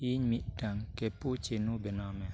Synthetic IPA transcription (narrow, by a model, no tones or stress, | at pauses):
iɲmiʔdaŋkeput͡ʃenubɛnamɛ